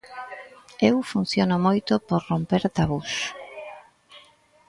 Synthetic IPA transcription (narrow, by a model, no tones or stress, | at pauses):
ewfun̟θjonomojt̪opoɾrompeɾt̪aβus